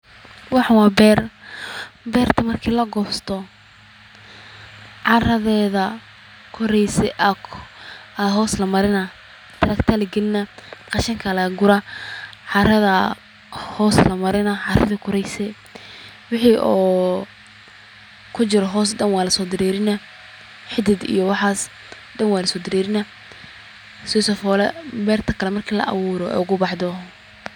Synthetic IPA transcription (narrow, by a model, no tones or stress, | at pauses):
wɑħʊwɑːbɛːr | bɛːrt̪ʰɐmɐrkʰiːlɐɡɔːst̪ʰɔ | ʕɑrɐðɛːðɐ | kʰɔɾɛjsɛʔɐk | ɐɦɔːslɐmɐɾɪnɐ | t̪ʰɐɾɐkt̪ʰɐlɐɡɪlɪnɐqɑʃɐŋkʰɐlɐɡʊɾɐʕɑɾɐðɐ | hɔːslɐmɐɾɪnɐʕɑrɐðɐkʰʊɾɛjsɛ | wɪħiʔɔː | kʰʊt͡ʃɪɾɔɦɔːs̬ɖɐnwaːlɐsɔːd̪ɪɾɛːɾɪnɐ | ħɪd̪ɪd̪ḭjɔwɑħaːs | ɖɐnwaːlɐsɔːd̪ɪɾɛːɾɪnɐ | sɔːsɔfɔːlɛbɛːrt̪ʰɐkʰɐlɛmɐrkʰiːlɐ̰ʔɐ̰wʊːɾɔɛ̰ːʊɣʊbɑħd̪ɔ